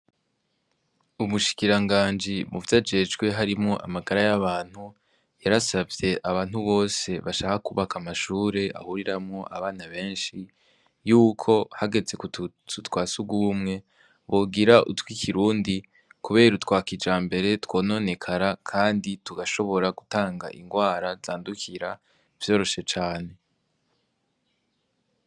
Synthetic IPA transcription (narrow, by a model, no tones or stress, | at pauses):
umuʃi̥kiɾaŋɡaːnd͡ʒimuvjad͡ʒe̞d͡ʒɡwe̞ɦaɾimŋo̞ʔa̰maɡaɾajaβaːn̥hu | jaɾasavje̞ʔaβaːn̥huβo̞ːse̞βaʃaːhakuβakamaʃuːɾe̞ʔa̰huɾiɾamŋo̞ʔaβaːnaβe̞ːnʃi | juːkʰo̞haɡe̞ze̞k | tutwaːsuɡumŋe̞ | βoɡiɾaʔṵtwikʰiɾuːndi | kuβe̞ːɾutwaːkid͡ʒaːmbe̞ɾe̞two̞ːno̞ne̞kʰaɾakʰaːndituɡaʃo̞βo̞ɾaɡutaːŋɡa̰ʔiŋɡwaːɾazaːndukʰiɾa | v̥jo̞ːɾo̞ʃe̞t͡ʃaːne̞